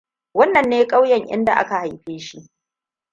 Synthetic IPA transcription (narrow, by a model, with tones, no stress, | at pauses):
wɐ˦nːɐ˨nːeː˦kʼa˦wjɛ˨ŋʔɪ̰˦nda̰˨ʔa̰˦ka˨ha˨jɸeː˦ʃi˦ʔ